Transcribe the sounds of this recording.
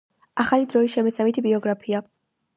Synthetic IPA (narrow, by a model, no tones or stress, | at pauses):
aχalid̪ɾɔisʃɛmɛsamit̪ʰibiɔɡɾapʰia